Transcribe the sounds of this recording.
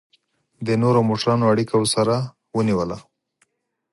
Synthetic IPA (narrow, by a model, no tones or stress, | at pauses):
d̪ənoɾomoʈɾɑnoaɽikawəsaɾa | wəniwəla